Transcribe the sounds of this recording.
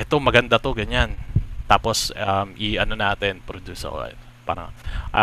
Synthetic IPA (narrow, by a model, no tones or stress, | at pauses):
ʔɛt̪omɐɡɐnd̪at̪oɡɐɲant̪aposɐmiɐnonaːt̪ɪnpɾod̪usɐ̰ɛ̰t̪ | pa̰ɾɐ̰ŋʔa